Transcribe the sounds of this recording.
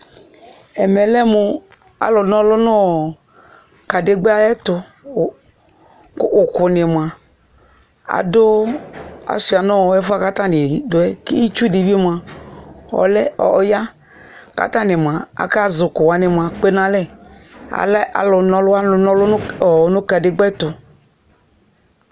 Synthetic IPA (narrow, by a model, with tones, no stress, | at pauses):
ɛ˨mɛ˨lɛ˦mʊ˨ | a̰˦lʊ˨nɔ̃˦lʊ˦nɔ̃˦ɔ˨ | ka˨de˦ɡ͡be˦a˦ɛ˦t̪ʊ˦˨ | kːkʊ˨nɪ˨m˨a˨ | a̰˨dʊ˦ | a̰˨su˨a˨nɔ̃˦wɔ˨ɛ˦fʊ˦a˦ka˦t̪a˦nɪ˨dʊ˨ɛ˦ki˦i˦t͡ʃu˦di˨bi˦m˨a˨ | ɔ̰˨lɛ˦ɔ̰˨ja˦ | ka̰˦t̪a˦nɪ˨m˨ã˨a̰˨ka˦zʊ˨kʊ˨wa˨nɪ˨m˨ã˨k͡pe˦nã˦lɛ˦˨a̰˨la̰˨lʊ˨nɔ̃˦lʊ˦a˦˨nɔ̃˦lʊ˦ɔ˨˦nʊ̃˦ka˨dɪ˦ɡ͡bɛ˦t̪ʊ˨